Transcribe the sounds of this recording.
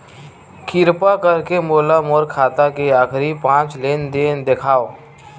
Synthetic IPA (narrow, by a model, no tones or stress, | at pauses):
kʰɪɾpakəɾkemoːlamoɾkʰaːt̪akeaːkɾipãːt͡ʃleːnd̪eːnd̪ekʰaːo